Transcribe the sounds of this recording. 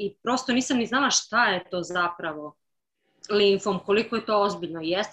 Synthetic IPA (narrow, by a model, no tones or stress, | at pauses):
ipɾo̞st̪oniːsamniznalˠaʃt̪ajet̪o̞ːzapɾaʋo̞ | linfomko̞likojet̪o̞ozbiʎnojest̪